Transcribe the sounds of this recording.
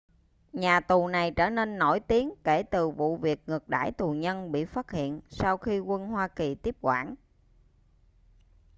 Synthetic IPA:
ɲaː˨˩t̪u˨˩na˨˩jt͡ɕəː˧˩ne˧nːo˧˩jt̪i˨˦əŋke˧˩t̪ɨ˨˩vṵ˧˨vi˨˩ək̚ŋɨ˨˩ək̚ɗa̰ː˧˥˩jt̪u˨˩ɲə˧nɓḭ˧˨faː˦˥t̚hḭ˧˨ənsa˧wxi˧kwə˧nɦwaː˧ki˨˩t̪i˦˥əp̚kwa̰ː˧˩n

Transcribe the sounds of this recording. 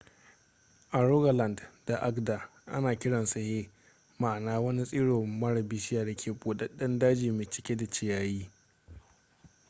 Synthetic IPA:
ʔa˨ɾo˦ɡa˨la˨ndda˨ʔa˦kda˨ | ʔa̰˦naː˨kʲɪ˦ɽɐ˨nsɐ˨heː˦ | maː˨naː˦wɐ˦ni˦sʼiː˦ɽoː˨mɐ˦ɽɐ˨bɪ˦ʃɪ˦jaː˨da˨kʲʰeː˨boː˨ɗɐ˦ɗɐ˦ndaː˦d͡ʒiː˨meː˨t͡ʃɪ̥˦kʲe˦da˨t͡ʃɪ˦jaː˦jiː˦

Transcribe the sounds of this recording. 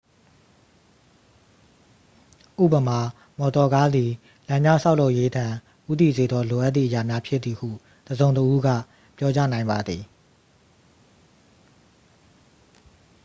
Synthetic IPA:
ʔṵ˦˨pə˨ma˨ | mɔ˨tɔ˨ɡa˦d̪i˨ | lã˨d͡ʑã̰˦˨sʰa˦ʊʔlo˦ʊʔje˦dã˨ | ʔu˦t̪ḭ˦˨ze˨d̪ðɔ˦lo˨ʔa˦t̪̚ːi˦˨ʔəja˨mja˦pʰjɪ˦t̪ːi˨hṵ˦˨ | d̥əzõ˨ʊ̃ntəʔu˦ɡä̰˦˨ | pjɔ˦t͡ɕa̰˦˨nã˨ɪ̃mba˨d̪ði˨

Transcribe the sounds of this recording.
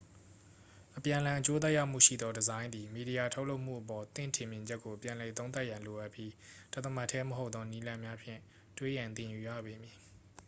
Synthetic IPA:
ʔəpjã˨ʔəlã˨ʔət͡ɕo˦t̪ɛ˦ja˦ʊm̥ṵ˦˨ʃḭ˦˨d̪ɔ˦dəzã˦ɪ̃nd̪i˨mi˨ɾi˨ja˨tʰo˦ʊʔlo˦ʊʔm̥ṵ˦˨ʔəpɔ˨t̪ɪ̰̃˦˨ntʰɪ̃˨mjɪ̃˨ɲd͡ʑɛ˦kːo˨pjã˨lɛ˨t̪õ˦ʊ̃nt̪a˦ʔjã˨lo˨ʔa˦˨pji˦d̥a˦ʔt̪ːəma˦˨tʰːɛ˦məɦo˦ʊt̪ːɔ˦ni˦lã˦mja˦pʰjɪ̰̃˦˨ | twḛ˦˨jã˨nt̪ɪ̃˨ju˨jä̰˦˨be˨mji˨

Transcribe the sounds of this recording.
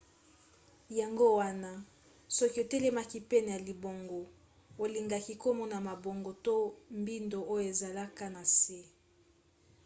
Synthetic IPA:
ja˨ŋɡo˦wa˦na˦ | sɔ˦ki˦o˨te˦le˦ma˦ki˦pɛ˦ne˨ja˨li˨bo˨ŋɡo˨ | o˨li˨ŋɡa˨ki˦ko˦mɔ˦na˨ma˨bo˨ŋɡo˨to˦mbi˦ndo˨o˦jo˦e˨za˨la˦ka˦na˨se˦

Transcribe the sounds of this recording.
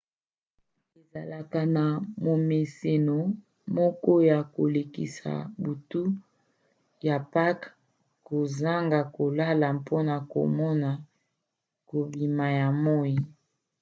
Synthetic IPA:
e˨za˨la˨ka˨na˨mo˨me˨se˨no˨ | mɔ˦kɔ˦ja˨ko˨le˨kḭ˨sa̰˨bu˨tu˦ | ja˨pa˦k | ko˨za˦ŋɡa˨ko˨la˦la˨mpʰo˦na˨ko̰˨mɔ˦na˨ | ko˨bi˨ma˨ja˨mɔ˦ji˦˨

